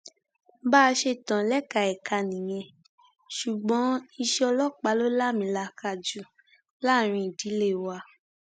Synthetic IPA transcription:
baː˦˧ʃe˧tã˨lɛ˦ka˧ɛ˨ka˧nĩ˨j̃ɛ̃˧ | ʃu˨ɡ͡bɔ̃˨˦i˧ʃɛ˦ɔ˧lɔ˦k͡pa˨˦lo˦la˦˨mĩ˧˦la˧ka˧˨d͡ʒu˦ | la˦˨ɾ̃ĩ˧i˨di˨˦le˦˨wa˧

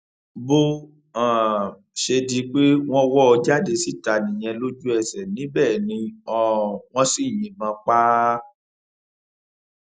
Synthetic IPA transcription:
bo˦ | ã˨ | ʃe˧di˧˦k͡pe˦w̃ɔ̃˦wɔ˦ɔ˧d͡ʒa˦de˧si˦˨ta˧˨nĩ˨j̃ɛ̃˧lo˦d͡ʒu˦ɛ˧˨sɛ˨nĩ˨˦bɛː˦˨nĩ˧ɔ˧˨w̃ɔ̃˧si˦˨j̃ĩ˨mã˧˦k͡pa˦

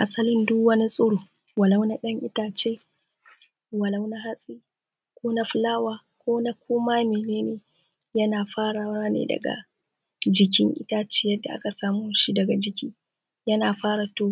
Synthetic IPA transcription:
ʔa˨sɐ˦lɪ˦ndʊ˦wɐ˦ni˦sʼʊ˦ɽoː˨ | wɐ˨la˦wna˦ɗɐ˦ŋʔɪ̰˦taː˨t͡ʃeː˦ | wɐ˨la˦wna˦ɦa˦sʼiː˦ | kʷoː˦na˦ɸʊ˦laː˦waː˦ | kʷoː˦na˦kʷʰoː˦maː˦meː˨neː˦neː˨ | jɐ˦naː˨ɸaː˦ɽa˨wa˦nḛ˨dɐ̰˨ɡa̰˨ | d͡ʒɪ˨k̬ʲɪ˦ŋʔɪ̰˦taː˦t͡ʃeː˦jɐ˦dːa̰˨ʔa̰˦ka˨saː˦mʊ˦nʃi˦dɐ˨ɡa˨d͡ʒɪ˨kʲiː˦ | jɐ˦naː˨ɸaː˦ɽa˨toː˦˨

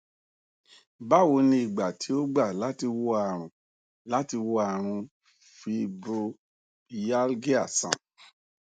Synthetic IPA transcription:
ba˦˨wo˧nĩ˧i˨ɡ͡ba˨tʰi˨˦o˦ɡ͡ba˦˨la˨˦ti˧wo˧a˨ɾ̃ũ˨ | la˦ti˧wo˧a˨ɾ̃ũ˧ | fi˧bo˧˨ | ja˦lɡi˦a̰˨sã̰˨

